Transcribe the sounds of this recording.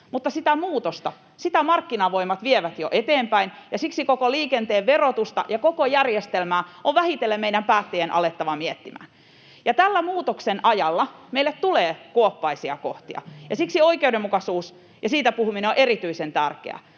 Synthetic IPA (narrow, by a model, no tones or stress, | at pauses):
mut̪ːɑsit̪æmuːt̪ost̪ɑ | sit̪æmɑrkːinɑʋoimɑt̪ʋieʋæt̪joʔet̪eːmpæinjɑsiksikokoliːkent̪eːʋʋerot̪ust̪ɑ̰jɑkokojærjest̪elmæːoʋʋæhit̪elːemmeidæmpæːt̪ːejenʔɑ̰let̪ːɑʋɑmiet̪ːimæ̰ːn | jɑt̪ælːæmuːt̪oksenʔɑjɑlːɑmeilːet̪t̪uleːkuopːɑisiɑ̰koht̪iɑ̰jɑsiksioikeudemːukɑsuːs | jɑsiːt̪æpuhumineoʔeɾit̪yisent̪ærkḛæ̰